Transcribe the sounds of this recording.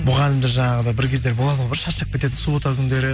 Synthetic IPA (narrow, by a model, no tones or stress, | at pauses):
mʊʁɑlɪmd̪ɪʒɑɴɑʁəd̪ɑbɪɾkʲʰe̞zd̪e̞ɾbolˠɑt̪əbɪɾʃɑʃəq̚ʲʰe̞t̪e̞t̪̬ɪnsubot̪ɑkʲʰʏnd̪e̞ɾɪ